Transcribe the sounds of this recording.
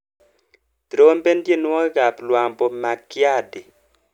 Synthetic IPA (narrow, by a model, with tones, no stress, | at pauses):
d̥ɾo˦mbe˦ndje˦˨nwɔ˦ɡa˨plwa˨mpɔ˨ma˨kːja˦dɪ˨